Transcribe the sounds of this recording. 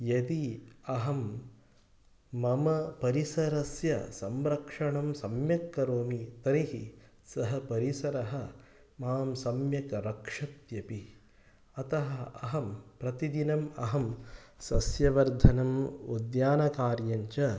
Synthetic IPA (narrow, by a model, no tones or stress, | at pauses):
jɐd̪iɐɦɐm | ɐmɐpɐɾisɐɾɐsjɐ̰sɐmɾɐkʂɐɳɐmsɐmjɐkːɐɾoːmit̪ɐniɦi | sɐɦɐpɐɾisɐɾɐɦɐ̆ | maːmsɐmjɐkɐɾɐkʂɐt̪jɐpi | ɐt̪ɐɦɐɐɦɐmpɾɐt̪id̪inɐmɐɦɐmsɐsjɐʋɐɾd̪ʱɐnɐmud̪jaːnɐkaːɾjɐɲt͡ʃɐ